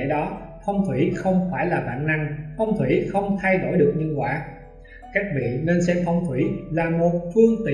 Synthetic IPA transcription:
ɗɔ˨˦fʰə˧wŋ͡mt̪ʰwḭ˧˩xə˧wŋ͡mfaː˧˩jlaː˨˩ɓa̰ː˧˨nːa˧ŋfə˧wŋ͡mt̪ʰwḭ˧˩xə˧wŋ͡mt̪ʰa˧jɗo˧˩jɗɨ˨˩ək̚ɲə˧ŋkwa̰ː˧˥ | ka˦˥jk̟̚vḭ˧˨ne˧nsɛ̰˧mfʰə˧wŋ͡mt̪ʰwi˧˩laː˨˩mo˨˩t̚fɨ˧əŋt̪i˧˨

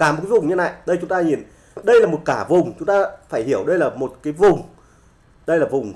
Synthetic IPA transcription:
kaː˧˩m̚˨˩kːvʊ˨˩ŋ͡mɲə˧na̰ː˧˨jɗə˧jt͡ɕʊ˨˦ŋ͡mt̪aː˧ɲi˨˩n | ɗə˧jlaː˨˩mo˨˩t̚kaː˧˩vʊ˨˩ŋ͡mt͡ɕʊ˨˦ŋ͡mt̪aː˧faː˧˩jhi˧˩əwɗə˧jlaː˨˩mo˨˩t̚kaː˨˦jvʊ˨˩ŋ͡m | ɗə˧jlaː˨˩vʊ˨˩ŋ͡m

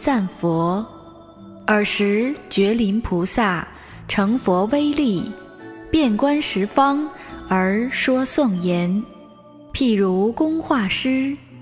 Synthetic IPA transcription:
t͡sa˥˩nfɔ˧˥ | ə˞˨˩ʂɻ̩˧˥t͡ɕɥɛ˧˥li˧˥npʰu˧˥sa˥˩ | ʈ͡ʂʰɤ˧˥ŋfwɔ˧˥we˥ɪli˥˩ | pjɛ˥˩nkwa˥nʂɻ̩˧˥fɑ˥ŋə˞˧˥ʂwɔ˥sʊ˥˩ŋjɛ˧˥n | pʰi˥˩ɻu˧˥kʊ˥ŋxwa˥˩ʂɻ̩˥

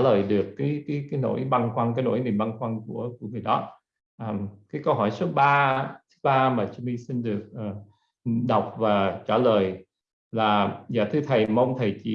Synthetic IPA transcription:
ləː˨˩jɗɨ˨˩əkːaː˨˦jkaː˨˦jkaː˨˦jno̰˧˥˨jɓa˧ŋkwa˧ŋkaː˨˦jno̰˧˥˩jmi˨˩nɓa˧ŋkwa˧nku˧˩əku˧˩əŋɨ˨˩əjɗɔ˨˦ | ʔəː˨˩mkaː˨˦jkə˧wɦɔ˧˩jso˨˦ɓaː˧t̪ʰɨ̥˨˦ɓaː˧maː˨˩t͡ɕmi˧si˧nɗɨ˨˩ək̚ʔəː˨˩ | ɗə˨˩wk͡p̚vaː˨˩t͡ɕaː˧˩ləː˨˩j | laː˨˩za̰ː˧˨t̪ʰɨ˧t̪ʰə˨˩jmə˧wŋ͡mt̪ʰə˨˩jt͡ɕḭ˧˨

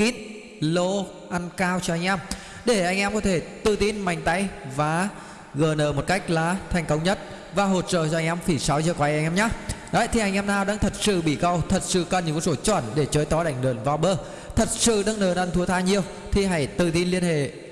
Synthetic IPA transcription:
ki˨˥n | lo˧ | ʔa˧nkaː˧wt͡ɕɔ˧ʔa˧jŋ̟ʔɛ˧m | ɗe˧˩ʔa˧jŋʔɛ˧mkɔ˨˦t̪ʰe˧˩t̪ɨ˨˩t̪i˧nma˨˩jŋ̟t̪a˨˦jvaː˨˩ | ɣəː˨˩nəː˧˩mo˨˩t̚ka˦˥jk̚laː˨˩˦t̪ʰa˨˩jŋkə˧wŋ͡mɲə˦˥t̚ | vaː˨˩ɦo˨˩t̚t͡ɕə̰ː˧˨t͡ɕɔ˧jŋʔɛ˧mxi˧˩sa˨˦wzəː˧˩kwaː˨˧jʔɛ˧j̟ʔɛ˧ɲaː˨˦ɗɔ˨˦˧t̪i˩a˨˧jŋ̟ʔɛ˧mnaː˨˩wɗaː˧˥ŋt̪ʰə˨˩t̚sɨ̰˧˨ɓḭ˧˩kə˧˩wt̪ʰə˨˩t̚sɨ̰˧˨kə˧˩nɲɨ̰˧˨ŋkːɔ˨˦so˨˧˦t͡ɕwə˧˩nɗe˧˩t͡ɕəː˨˦jt̪ɔ˨˦ɗa˧˩jŋ̟ɗɨ̰ː˧˩ənvaː˧wɓəː˧˦ | t̪ʰə˨˩t̚sɨ̰˧˨ɗə˧ŋnəː˧˨˩nə˧˩nt̪ʰu˨˦ət̪ʰaː˧ɲi˧əw | t̪ʰi˨˩ɦa˧˩jt̪ɨ˨˩t̪i˧nli˧ənhḛ˧˨

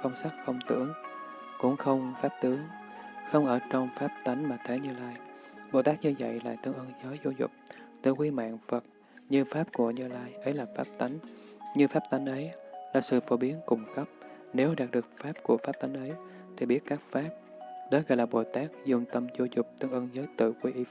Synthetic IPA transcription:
xə˧wŋ͡msa˦˥k̚fə˧wŋ͡mt̪ɨ̰˧˩˦əŋ | kʊ̰˧˥ŋ͡mxə˧wŋ͡mfaː˦˥p̚t̪ɨ˨˦əŋ | xə˧wŋ͡mʔəː˧˩t͡ɕɔ˧wŋ͡mfaː˦˥p̚t̪a˨˦jŋ̟maː˨˩t̪ʰe˨˦ɲɨ˧laː˧jɓo˨˩t̪aː˦˥k̚ɲɨ˧və̰˧˨jla̰ː˨˩t̪ɨ˨˦əŋʔəː˧nzəː˨˦jzo˧zʊ̰˨˩k͡p̚t̪ɨ˧˩əŋkwi˧ma̰ː˧˨ŋfə˨˩t̚ | ɲɨ˧faː˦˥p̚ku˧˩əɲɨ˧laː˧jʔə˨˦jlaː˨˩faː˦˥p̚t̪a˨˦jŋ̟ɲɨ˧faː˦˥p̚t̪a˨˦jŋ̟ʔə˨˦jlaː˨˩sɨ̰˧˨fo˧˦ɓi˨˦ənkʊ˧˩ŋ͡mkə˦˥p̚ | ne˨˦wɗaː˨˩k̚ɗɨ˨˩ək̚faː˦˥p̚ku˧˩əfaː˦˥p̚t̪a˨˦jŋ̟ʔə˨˦j | t̪ʰi˨˩ɓi˦˥ət̚kaː˦˥k̚faː˦˥p̚ | ɗɔ˨˦ɣɔ̰˧˨jlaː˨˩ɓo˨˩t̪aː˦˥k̚zʊ˨˩ŋ͡mt̪ə˧mzo˧˦zʊ˨˩k͡p̚t̪ɨ˧əŋʔə˧ŋzəː˨˦jt̪ɨ̰˧˨kwi˧ʔi˨˦

